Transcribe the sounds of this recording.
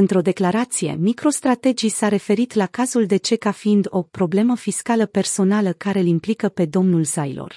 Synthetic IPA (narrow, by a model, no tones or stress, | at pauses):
ɨnt̪ɾo̞d̪e̞klaɾat̪sije̞̰mikɾo̞st̪ɾat̪e̞d͡ʒisaɾe̞fe̞ɾit̪lakazuld̪e̞t͡ʃe̞kafiːnd̪o̞pɾo̞ble̞məfiskaləpe̞rso̞naləkaɾe̞ɨlimplikəpe̞d̪o̞mnulzajlo̞̰r